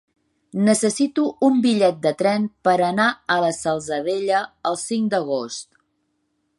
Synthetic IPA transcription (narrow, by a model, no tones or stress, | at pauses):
nəsəsit̪uːmbiʎɛt̪̚d̪ət̪ɾɛnpəɾənaələsəlˠzəðeʎəəlˠsiŋd̪əɣ̞ost̪